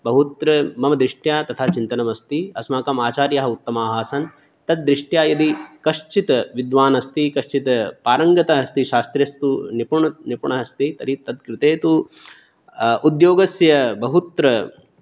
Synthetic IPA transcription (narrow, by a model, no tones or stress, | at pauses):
bɐɦut̪ɾɐmɐmɐd̪ɾiʂʈjaːt̪ɐt̪ʰaːt͡ʃint̪ɐnɐmɐst̪iɐsmaːkɐmaːt͡ʃaːɾjɐɦɐut̪ːɐmaːɦɐːsɐn | t̪ɐd̪̚ːɾiʂʈjaːjɐd̪ikɐʃt͡ʃit̪ɐʋid̪ʋaːnɐst̪ikɐʃt͡ʃit̪ɐpaːɾɐŋɡɐt̪ɐɦɐst̪iʃaːst̪ɾjɐst̪unipuɳɐnipuɳɐɦɐst̪it̪ɐɾit̪ɐd̪kɾɪt̪eːt̪u | ud̪joːɡɐsjɐbɐɦut̪ɾɐ